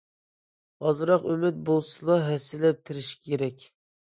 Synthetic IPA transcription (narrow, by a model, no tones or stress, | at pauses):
ɑzɨɾɑqymɪt̪̚bolˠsɨlˠɑɦɛsːɪlɛp̚t̪ʰɪɾɪʃkʲʰeɾɛkʲ